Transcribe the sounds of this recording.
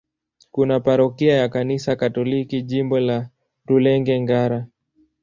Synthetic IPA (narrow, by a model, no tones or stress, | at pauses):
kunapaɾɔkiajakanisakatɔlikiʄimbɔla | ɾulɛŋɡɛŋɡaɾa